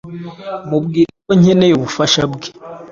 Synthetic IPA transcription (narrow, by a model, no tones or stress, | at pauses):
mubɡiːɾakoɲenejoβufaʃabɡe̥